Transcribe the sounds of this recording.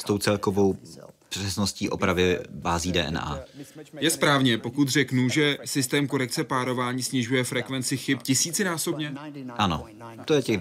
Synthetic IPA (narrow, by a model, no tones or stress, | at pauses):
st̪o̞wt͡sɛlkovow | pr̝̥ɛsnosciːʔo̞̰pɾavɪbaːziːdɛ̰ːʔɛ̰na̰ːjɛspɾaːvɲɛpo̞kut̪r̝ɛknuʒɛsɪst̪ɛːmko̞ɾɛk̚t͡sɛpaːɾo̞vaːɲiːsɲɪʒujɛfɾɛkvɛnt͡sɪxɪpcɪsiːt͡sɪnaːso̞bɲɛʔano̰ | t̪ojɛcɛɣ